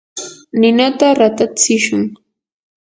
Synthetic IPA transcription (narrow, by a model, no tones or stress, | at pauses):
nɪnat̪aɾat̪at͡sɪʃʊŋ